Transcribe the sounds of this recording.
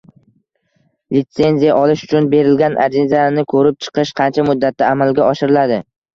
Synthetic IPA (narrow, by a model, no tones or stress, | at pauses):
lɪt̪se̞nzijaʔɒlɪʃʊ̥t͡ʃʰʊnbe̞ɾɪlɡʲanʔa̰d͡ʒɪzanɪkʰɵɾɪp̚t͡ʃʰɨ̥qɪʃqʰɑnt͡ʃʰamʊd̪ːat̪̚ːaːmalɡʲaɒʃɪɾɪlad̪ɪ